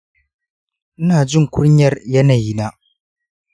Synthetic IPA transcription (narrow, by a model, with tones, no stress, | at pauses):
ʔɪ˦naː˨d͡ʒɪ˦˨ŋkʷʊ˦ɲjɐ˦rjɐ˦naː˨jiː˦naː˦